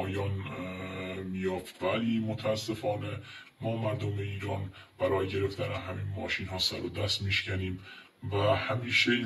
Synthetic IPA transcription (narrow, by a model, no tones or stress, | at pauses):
ɒːjɒːn | miːjɒːft̪væliːmot̪ʰææsːe̞fɒːne̞ | mɒːmæɾd̪omeiːɾɒːnb̥æɾɒːjeɟe̞ɾe̞ft̪ʰænænɦæmiːnmɒːʃiːnɦɒːsæɾod̪æst̪miːʃcæniːmvæhæmiːʃe